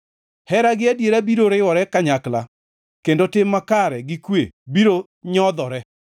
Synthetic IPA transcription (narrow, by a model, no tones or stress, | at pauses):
hɛɾaɡɪadjeɾabiɾoɾɪwɔɾɛkaɲakla | kendotɪmːakaɾɛɡɪkwḛbiɾo | ɲɔd̪ɔɾɛ